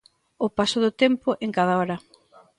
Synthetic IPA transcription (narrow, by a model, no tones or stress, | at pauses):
ʊpasʊðʊt̪empʊʔeŋkað̞aɔɾɐ